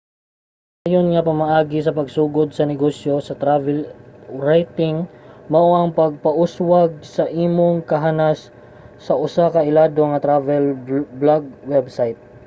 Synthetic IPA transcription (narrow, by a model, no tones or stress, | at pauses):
ʔʔaːjonŋɐpɐmɐʔaːɡɪs̬ɐpɐɡsuːɡod̪̚sɐnɛɡoːsjo̞sɐt̪ɾavɛlɹajt̪ɪŋmɐʔoʔɐŋpɐɡ̚pɐʔʊswɐɡ̚sɐʔiːmoŋkɐɦanasː | ɐʔʊsakɐʔɪlaːd̪oŋɐt̪ɾavɛlblaɡ̚wɛbsajt̪̚